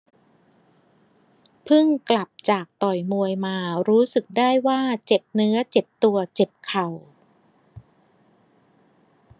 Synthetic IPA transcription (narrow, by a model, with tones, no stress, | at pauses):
pʰɯ˥˩ŋkla˨˩p̚t͡ɕaː˨˩k̚t̪ɔ˨˩jmu˧əjmaː˧ɾuː˦˥sɯ˨˩k̚daː˥˩jwaː˥˩t͡ɕe˨˩p̚nɯ˦˥ɐt͡ɕe˨˩p̚t̪u˧ɐt͡ɕe˨˩p̚kʰa˨˩w